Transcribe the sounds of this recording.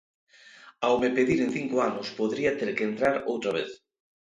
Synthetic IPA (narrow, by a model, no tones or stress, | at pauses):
awmepeðiɾen̟θiŋkoanʊspoðɾiat̪eɾkeːnt̪ɾaɾowt̪ɾaβ̞eθ